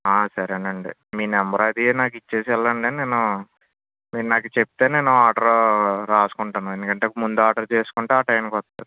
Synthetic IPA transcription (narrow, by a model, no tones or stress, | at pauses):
aːsɐɾɐnɐɳɖḭmiːnɛmbɾaːd̪ienaːk̬it͡ʃːe̞ːs̬ɛlːɐɳɖeːne̞ːnu | miːnaːkut͡ʃep̚t̪e̞ːne̞ːnuaːɖɐɾoɾaːsu̥kuɳʈanuend̪ukɐɳʈemund̪uaːɖɐɾt͡ʃe̞ːsu̥kuɳʈeaːʈɐjmkɔt̪ːaːɾu